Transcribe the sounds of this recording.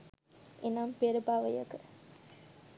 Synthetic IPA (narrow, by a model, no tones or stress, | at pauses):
ʔenampeɾəbaʋəjə̰kə